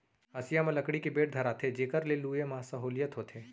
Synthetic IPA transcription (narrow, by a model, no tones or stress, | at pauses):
ɦɐsɪjamẽlɐkɽikebeːʈ̚d̪ʱɐɾat̪ʰed͡ʒeːkəɾleluːjemãːsɐɦoːlɪjət̪ɦot̪ʰeː